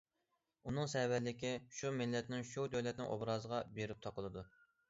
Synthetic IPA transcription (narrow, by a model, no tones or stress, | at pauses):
unɨŋsɛwɛɾlːɪkʲiʃumɪlːɛt̪nɪŋʃud̪øwlɛt̪nɪ̰ŋʔo̰bɾɑːzəʁɑbeɾɪp̚t̪ʰɑqəlˠɨd̪u